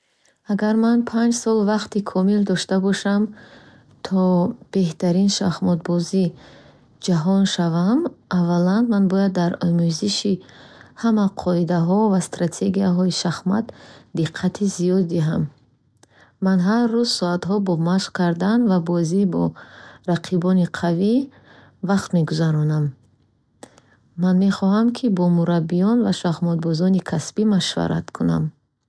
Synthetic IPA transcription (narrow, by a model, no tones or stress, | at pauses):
aɡaɾmanpʰand͡ʒsɔlˠvaqt̪ikʰɔmild̪ɔʃt̪abɔʃam | t̪ʰɔb̥e̞ht̪ʰaɾinʃaχmɔd̪̚bɔzi | d͡ʒaɦɔnʃavamavalanmanbɔjad̪ːaɾɔmuziʃihamaqʰɔid̪aɦɔvast̪ɾat̪ʰe̞ɡijaɦɔiʃaχma̰t̪d̪iqʰːat̪ʰizijɔd̪ːiɦam | anɦaɾːuzsɔat̪ɦɔbɔmaʃχkʰaɾd̪anvabɔzibɔ̰ɾaqʰibɔniqʰavi | vaqt̪me̞ɡuzaɾɔnam | anme̞χɔɦamkʰibɔmuɾabːijɔnvaʃaχmɔd̪̚bɔzɔnikʰasbimaʃva̰ɾʔa̰t̪kʰuna̰m